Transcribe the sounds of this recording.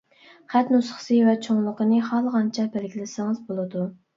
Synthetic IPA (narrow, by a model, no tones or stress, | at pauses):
χæt̪nusχə̥sɨvɛt͡ʃʰoŋlˠəqənɨχɑlˠʁɑnt͡ʃʰɛbɛlɡʲilɪsɪŋɨzbolˠɨd̪u